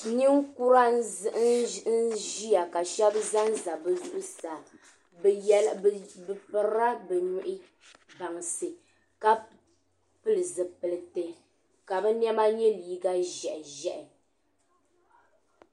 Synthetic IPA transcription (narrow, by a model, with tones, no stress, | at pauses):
ni˦ŋku˦ɾa˦n˦zɨ˦ʔn̩˦ʒi˦ja˨ka˨ʃɛ˦bza˦n˦za˨bɛ˨zu˦ʔʊ˦sa˨ | bjɛ˦lbɨ˨pɨ˨ɾɾa˦bɛ˨ɲu˨ʔɪ˦ | ba˨ŋ˨sɨ˨ | ka˦ | pɨ˨lɨ˨zɨ˨pɨ˨lɨ˨tɨ˨ | ka˨bɛ˦nɛ˦ma˦ɲɛ˦liː˨ɡa˦ʒɛ˨ʔɪ˨ʒɛ˨ʔɪ˨